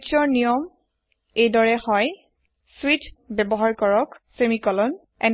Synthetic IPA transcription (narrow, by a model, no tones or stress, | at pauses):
t͡ʃɔɹnijɔm | ejdɔɹɛhɔj | switbɛbɔɦaɹkɔɹɔksemikɔlɔn | ɛn